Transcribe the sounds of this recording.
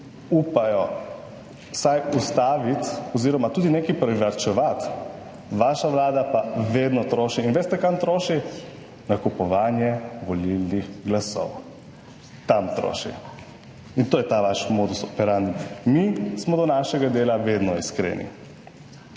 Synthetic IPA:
uːpajɔ | sajust̪aːʋit̪ɔziːɾɔmat̪uːd̪inekipɾɛʋaɾt͡ʃɛʋat̪ | ʋaʃaʋlaːd̪apaʋed̪nɔt̪ɾoːʃiːnʋeːst̪ɛkamt̪ɾoːʃi | nakupɔʋaːnjɛʋɔlilnixɡlasɔ̰w | t̪amt̪ɾo̰ʃḭ | int̪oːjɛt̪aʋaʃmoːd̪usɔpɛɾand̪ummismɔd̪ɔnaːʃɛɡad̪eːlaʋeːd̪nɔiskɾḛːnḭ

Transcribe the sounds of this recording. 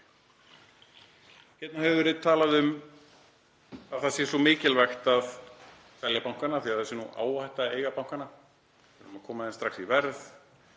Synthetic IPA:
çjɛt̪nahɦɛvɪvɪɾɪt̪ʰaːlaðʏm | aðθasjɛ̥sɔmɪːcɪlvaxt̪að | fɛljapawŋ̥kanaθiaðθɛsːɪnuʔa̰ːwajht̪aejɣapawŋ̥kana | ɛɾʏmakʰɔːmaðɛnst̪ɾaxsivɛɾð

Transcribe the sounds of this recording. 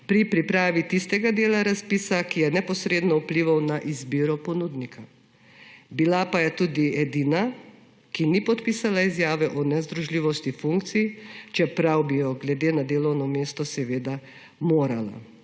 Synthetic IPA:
pɾipɾipɾaːʋit̪ist̪ɛɡad̪eːlaɾaspiːsakijɛnɛpɔsɾeːd̪nɔupliʋawnaʔizbiːɾɔpɔnuːd̪nikʰa | bilapajɛt̪uːd̪iɛd̪iːna | kinipɔt̪piːsalaizjaːʋɛʔɔnɛzd̪ɾuʒliːʋɔst̪ifuŋkt̪sijt͡ʃɛpɾawbijɔɡlɛd̪eːnad̪eːlɔwnɔmeːst̪ɔsɛʋeːd̪a | moːɾala̰

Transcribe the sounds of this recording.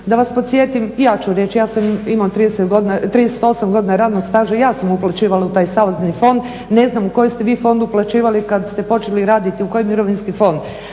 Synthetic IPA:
d̪aʋaspot̪sje̞t̪imjaːt͡ʃuɾje̞t͡ʃjaːsamimat̪ɾid̪eset̪ɡod̪nat̪ɾiːd̪ese̥t̪o̞samɡo̞d̪inaɾaːd̪noɡ̪st̪aːʒajaːsamuplˠat͡ɕiːʋalaut̪aːjsaʋoznifo̞nd̪ | ne̞znamuko̞jest̪e̞ʋiːfo̞nd̪uplˠat͡ʃiːʋalikad̪st̪e̞po̞t͡ʃeliɾaːd̪it̪iuko̞jimiɾo̞ʋinskifo̞nd̪

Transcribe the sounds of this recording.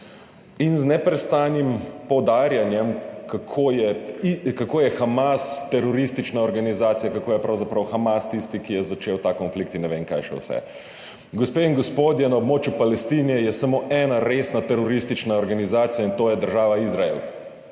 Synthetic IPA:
inznɛpɾɛst̪aːnimpɔwd̪aːɾjanjɛmkakʰojɛikakoːjɛxamast̪ɛɾɔɾist̪it͡ʃnaɔɾɡanizaːt̪sijakakoːjɛpɾawzapɾawxamast̪ist̪ikijɛzat͡ʃewt̪akɔnflikt̪inːɛʋeːŋka̰jʃɛ̰wsɛ̰ | ɡɔspeːiŋɡɔspoːd̪jɛnaobmoːt͡ʃjupalɛst̪iːnɛjɛsamoːʔɛːnaɾesnat̪ɛɾɔɾist̪it͡ʃnaɔɾɡanizaːt̪sijaint̪oːjɛd̪əɾʒaːʋaizɾaḛl

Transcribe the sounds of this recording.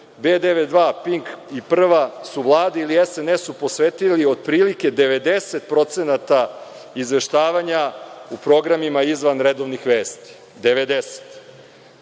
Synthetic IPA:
beːd̪eʋed̪ʋaːpiŋkipr̩ʋasuʋlˠaːd̪ailiesenesupo̞sʋeːt̪ilio̞d̪̚pɾiːlike̞d̪e̞ʋe̞d̪e̞se̞t̪̚pɾo̞t̪se̞nat̪a | izʋe̞ʃt̪aːʋaɲaupɾo̞ɡɾamimaizʋanɾed̪oʋnixʋe̞ːst̪i̥ | d̪e̞ʋe̞d̪ese̥t̪

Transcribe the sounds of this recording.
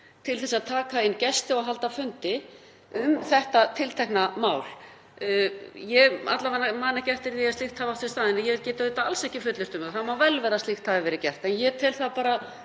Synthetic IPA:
t̪ʰɪlθɛsːaðt̪ʰaːkaɪnːcɛst̪ɪɔɣɦalt̪afʏnt̪ɪ | ʏmθɛht̪at̪ʰɪlt̪ʰɛhknamaːwl | jɛa̰t̪lavanːamaːnacɛr̥t̪ɪɾðiast̪ixt̪haːvawt̪ɪst̪aːðɪnːɪjɛvɪlcɛːt̪aœt̪aalsɛhcɪfʏt̪lɪɾt̪ʏmaθamawvɛlvɛɾðast̪ixt̪haːvɪvɛɾɪcɛr̥t̪ɛnjɛt̪ʰɪlθapaːɾa

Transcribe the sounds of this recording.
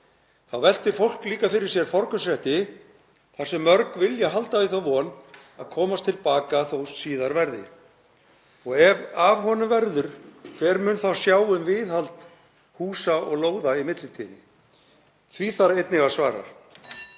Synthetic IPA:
θawvɛl̥t̪ɪɾ̥fowl̥kliːkafɪɾɪɾ̥sjɛɾ̥fɔɾkʏsɾɛht̪ɪ | θḁsɛmːœɾkvɪljaɦalt̪aviθawvɔna̰ðkʰɔːmast̪ʰɪlpaːkaθowssiːðaɾvɛɾðɪ̰ | ɔɣɛvavhɔnʏmvɛɾðʏɾ̥kʰɛɾmʏːnθawsjaːwʏmvɪðhalt̪ | huːsaʔɔɣloːwðaimɪt̪lɪt̪ʰiːnɪ | θviθaɾejt̪nɪvaɾ̥svaːɾa̰

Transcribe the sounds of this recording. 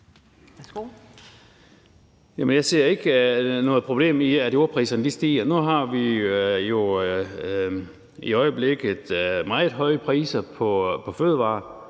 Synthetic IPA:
jæmənjɑ̈ɪse̝ɐ̰e̝ɡ̥nɔ̽ːð̞̩ˠpʰʁob̥le̝̰ːmiæd̥io̝ɐpʰʁḭːsɐnəd̥isd̥ḭːɐnuɦɑ̈ʋijo̝ | iɒ̽ɪəb̥leɡ̥ð̩ˠmɑ̈ːð̩ˠɦɒ̽ɪəpʰʁḭːsɐpʰɒ̽pʰɒ̽føðˠəʋɑ̈ː

